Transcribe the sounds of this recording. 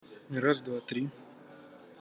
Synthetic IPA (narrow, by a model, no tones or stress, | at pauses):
ɾazd̪vat̪ɾʲi